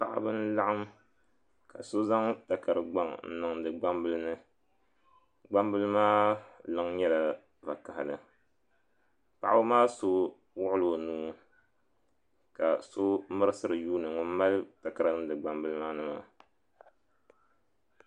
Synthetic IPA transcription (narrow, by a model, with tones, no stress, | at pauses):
pa˨ʔa̰˦bɨ˦n˦la˦ʔa˦m | ka˨so˦za˦ŋta˨ka˨ɾɨ˨ɡ͡ba˦ŋn̩˨˦nɨ˨ŋdɨ˨ɡ͡ba˦mbɨ˦lɨ˦nɨ˦ | ɡ͡ba˦m˦bɨ˦lɨ˦maː˦lɨ˦ŋɲɛ˦la˨ | va˨ka˨ha˨lɨ˨ | pa˨ʔa˦bɨ˦maː˦so˦ | wʊ˦ʔʊ˦lo˨nuː˦ | ka˨so˦mɨ˦ɾɨ˦sɨ˦ɾɨ˨juː˦nɨ˨ŋʊ˦n˦ma˦lta˨ka˨ɾa˦nɨ˦m˦dɨ˨ɡ͡ba˦mbɨ˦lɨ˦maː˦nɨ˦ma̰˨